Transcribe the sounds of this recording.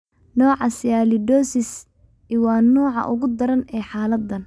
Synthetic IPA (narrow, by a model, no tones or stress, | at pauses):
nɔːʕɑsɪjaːlɪd̪ɔːsɪs | iwɑːnɔːʕɑ̰ʔʊɣʊd̪ɐɾɐnɛːħaːlɐd̪ːɐn